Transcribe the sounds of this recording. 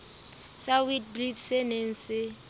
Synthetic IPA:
sawid̚bridsɛnen̩sɪ

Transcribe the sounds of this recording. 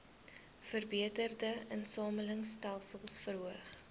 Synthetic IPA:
fərbiətərdəənsɑːmələŋstɛlˠsəlˠsfərɦuəχ

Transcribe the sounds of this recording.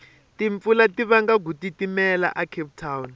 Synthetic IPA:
tʼiɱfulatʼiβaŋɡaɡ̬utʼitʼimɛla̰ʔakʰep̚tʰawn

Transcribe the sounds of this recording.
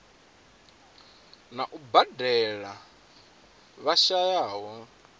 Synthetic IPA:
naʔubadɛɺa | βaʃajaːɦɔ

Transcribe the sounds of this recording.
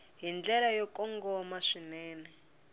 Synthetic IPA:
ɦind͡ɮɛlajɔkɔŋɡɔmaʂinɛːnɛ

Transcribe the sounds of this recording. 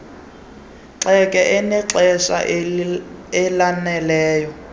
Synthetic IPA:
ǁɛkʼɛʔɛnɛǁɛsa̰ | ɛlanɛlɛːjɔ

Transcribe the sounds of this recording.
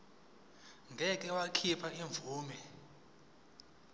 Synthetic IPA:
ŋʱɛkʼɛwakʰipʰaiɱvuːmɛ

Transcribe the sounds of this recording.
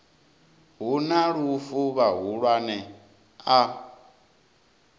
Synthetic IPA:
ɦunaɺufuβaɦuɺwanɛ | a

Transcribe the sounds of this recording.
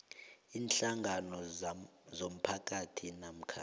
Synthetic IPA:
iːnɬaŋɡʱanɔ | zom̩pʰakʼatʰinam̩kʰa

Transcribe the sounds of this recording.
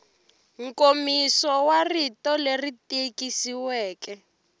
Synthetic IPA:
ŋkomisɔwaritɔleritekisiwɛːkɛ

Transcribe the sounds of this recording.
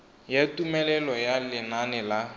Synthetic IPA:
jatʼumɛlɛlɔjalɪnanɛla

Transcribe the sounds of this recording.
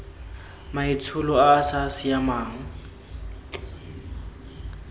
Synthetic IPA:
mait͡sʰulɔaːsasɪjamaːŋ̩

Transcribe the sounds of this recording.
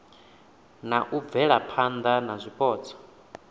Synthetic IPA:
naʔub̪vɛɺapʰand̪anazʷipʼɔːt͡sʰɔ̥

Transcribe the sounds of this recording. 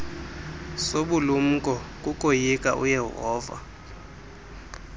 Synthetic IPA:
soɓulum̩kʼɔkʼukʼojikʼa̰ʔṵjɛɦɔːva̰

